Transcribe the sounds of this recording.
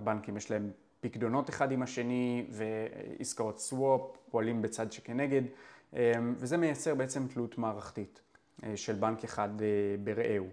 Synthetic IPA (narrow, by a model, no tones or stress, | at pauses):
abankimjeʃlae̞m | pikdo̞no̞teχadimaʃe̞nive̞ḭskao̞tswoppoalimbet͡sadʃekene̞ɡe̞dʔemvezeme̞jat͡se̞ʁbeet͡se̞mtlutmaːʁaχtit | ʃe̞lbankeχadebe̞ʁeʔew